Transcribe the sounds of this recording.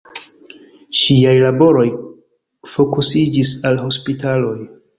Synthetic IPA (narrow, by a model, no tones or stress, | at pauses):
ʃiajlabo̞ɾo̞j | fo̞kusid͡ʒisalɦo̞spitalo̞j